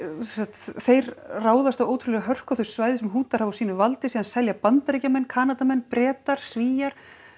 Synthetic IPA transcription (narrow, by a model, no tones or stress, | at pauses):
sɛsat̪θejɾraːwðast̪avoːwt̪ʰɾʏlɛɣaɦœr̥kawθʏssvaːjðɪsɛmɦuːt̪aɾ̥havawsiːnʏvalt̪ɪsiːðansɛljapant̪aɾijcamɛnːkʰaːnat̪amɛnːpɾɛːt̪aɾ̥sviːjaɾ̥